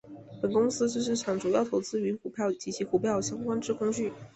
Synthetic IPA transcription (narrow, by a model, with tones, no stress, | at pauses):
pə˨˩nkʊ˥ŋsɹ̩˥t͡ɕɤ˥˧ʂ̬ɻ̩˥˩ʈ͡ʂʰɑ˨˩ŋʈ͡ʂu˨˩jɑ˥˩ʊt̪ʰo˧˥ʊt͡sɹ̩˥y˧˥xu˨˩pʰjɑ˥˩ʊt͡ɕi˧˥t͡ɕʰi˧˥xu˨˩pʰjɑ˥˩ʊɕjɑ˥ŋkwa˥nʈ͡ʂɻ̩˥˧kʰʊ˥ŋɕy˥˩